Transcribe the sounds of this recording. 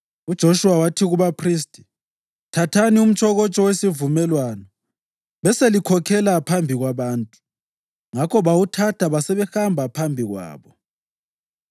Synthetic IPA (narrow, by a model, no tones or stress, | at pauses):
ud̥ʒ̥ʱoʃuwawatʰiɣuβapʰristʼi̥ | tʰatʰanium̩t͡ʃʰʼɔɣɔt͡ʃʼɔwesivumɛlwanɔ | βɛselikʰɔkʰɛlapʰambʱiɣwaβaːntʼu̥ | ŋakʰɔβawutʰatʰaβasɛβɛxambʱapʰambʱiɣwa̰ːβɔ